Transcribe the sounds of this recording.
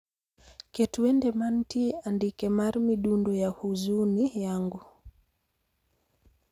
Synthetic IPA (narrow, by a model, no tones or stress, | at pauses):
kɛtuɛndɛmantiandikɛmaɾmiɗundɔjahuzunijaŋɡu